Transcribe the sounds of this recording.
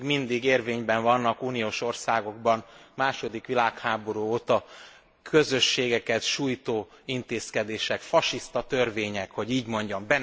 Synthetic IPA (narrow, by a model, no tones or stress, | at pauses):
ɡmind̪iɡeːrveːɲbɛɱvɒnːɒkuːnijoːʃo̞rsaːɡo̞ɡ̚bɒmmaːʃo̞d̪ikʋilaːkhaːbo̞ɾuːoːt̪ɒ | kʰø̞zø̞ʃːeːɡɛkɛt̪ʃuːjt̪oː | int̪eːskɛd̪eːʃɛkfɒʃist̪ɒt̪ørveːɲɛkho̞ɟiːɟmo̞ɲɟɒmbɛn